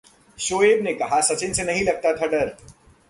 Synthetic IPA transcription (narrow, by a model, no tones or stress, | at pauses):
ʃoːeːbnekɐɦasɐt͡ʃɪnsenɐɦĩlɐɡ̚t̪at̪ʰaɖɐɾ